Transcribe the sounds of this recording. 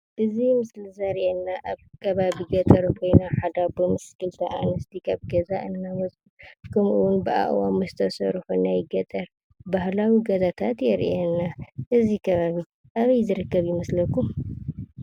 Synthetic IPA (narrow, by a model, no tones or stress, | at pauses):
ʔɨzimɨslɨzaɾʔenːaʔaβkʰɐβaβiɡɐt̪ʼɐɾukʰo̞jnaħad̪abɨmɨskʰɨlt̪ʰɐʔa̰nɐst̪ʰikʰaβɡɐzaʔɨnːamɐt͡sʼukʰɨmʔɨwʊnbɨʔa̰ʔwamuzɨ̥t̪ʰɐsɐɾħunːajɪɡɐt̪ʼɐɾ | bahlawiɡɐzat̪ʰat̪jɛɾʔɛnːaʔɨzikʰɐβaβi | ʔaβɐjzɨɾɨkːɐβjɪmɐslɐkːum